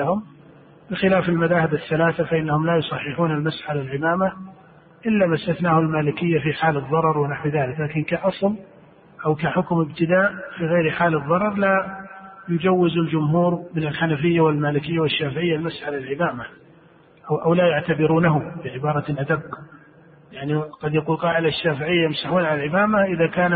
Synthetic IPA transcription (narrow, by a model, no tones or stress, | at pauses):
ahʊm | bɪxɪlaːfɪlmaðaːhɪbaθːalaːθafaʔɪnːahʊmlajʊsˤɑħːɪħuːnalmasħalalʕɪmaːma | ʔɪlːamast̪aθnaːhʊalmaːlɪkɪjːafiħaːlɨðˤːɑɾˤɑɾˤwɪnaħwɪðaːlɪklaːkɪnkaʔɑsˤl | ʔawkaħʊkmɪbt̪ɪd̪aːʔfiɣajɾħaːlɨðˤːɑɾˤɑɾˤla | jʊd͡ʒawːɪzɪld͡ʒʊmɦuːɾmɪnɪlħanafɪjːawɪlmaːlɪkɪjːawɪʃːaːfɪʕɪjːalmasʕalalʕɪmaːma | ʔʔawlajaʕt̪abɪɾuːnaɦʊbɪʕɪbɑːɾˤɑlʔad̪abː | jaʕniqɑd̪jaquːlqɑːʔɪd̪aʃːaːfɪʕɪjːajɪmsaħuːnʕalalʕɪmaːmaʔɪðakaːn